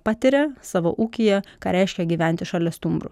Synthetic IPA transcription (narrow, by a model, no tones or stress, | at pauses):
pɑːt̪ʲɪɾʲɛsɑːʋo̰ʔuːkʲɪjɛkɑːɾʲɛɪʃʲkʲɛɡʲiːʋʲæˑnʲt̪ʲɪʃɑlʲɛst̪ʊmbɾʊ̰